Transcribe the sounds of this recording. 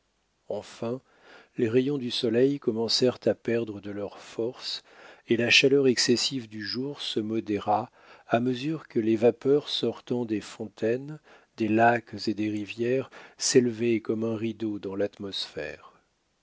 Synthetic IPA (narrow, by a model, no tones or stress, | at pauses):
ɑ̃fɛ̃ | leʁejɔ̃d̪ysɔlɛjkɔmɑ̃sɛʁt̪apɛʁd̪ʁəd̪əlœʁfɔʁselaʃalœʁɛksɛsivd̪yʒuʁsəmɔd̪eʁa | aməzyʁkəlevapœʁsɔʁt̪ɑ̃d̪efɔ̃t̪ɛn | d̪elakzed̪eʁivjɛʁselvekɔmɛ̃ʁid̪od̪ɑ̃lat̪mɔsfɛ̰ːʁ